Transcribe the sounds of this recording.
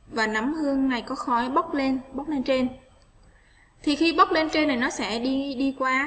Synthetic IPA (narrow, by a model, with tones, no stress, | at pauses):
vaː˨˩na˨˦mhɨ˧əŋːa˨˩jkɔ˨˦xɔ˨˦jɓə˦˥k͡p̚le˧nɓə˦˥wk͡p̚le˧nt͡ɕe˧n | t̪ʰi˨˩xi˧ɓə˦˥wk͡p̚le˧nt͡ɕe˧nːa˨˩jnɔ˨˦sɛ̰˧˥ɗi˧ɗi˧kwaː˧